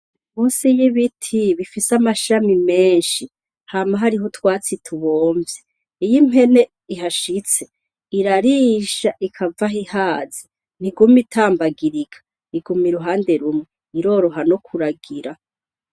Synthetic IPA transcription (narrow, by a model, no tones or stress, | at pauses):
muːnsijiβitʰiβifisamaʃamimeːnʃi | haːmaɦaɾiɦotwaːt͡sitʰuβoːɱvjeː | jime̞ne̞ | iɦaʃit͡se | iɾaɾiːʃaʔikʰavaɦihaːzi | n̥iɡumitʰaːmbaɡiɾiɡḁ | iɡumiɾuɦaːnde̞ɾumŋe | iɾo̞ːɾo̞ɦano̞kʰuɾaɡiɾa